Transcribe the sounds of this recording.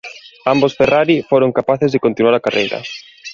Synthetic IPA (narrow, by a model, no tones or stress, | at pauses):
ambosferaɾifoɾoŋkapaθɪzðekont̪inwaɾakarʔḛjɾɐ̰